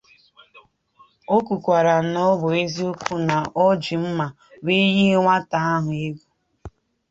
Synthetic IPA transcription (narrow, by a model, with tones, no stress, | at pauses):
o˦ku˨kʷa˨ɾa˨nɔ˦bʊ˨e˦zi˦o˦kʷu˦na˨ʔɔ˦d͡ʒi˨m̩˦ma˨ | be˦ji˦ŋʷa˦ta˦a˦ɦʊ˨e˦ɡʷu˦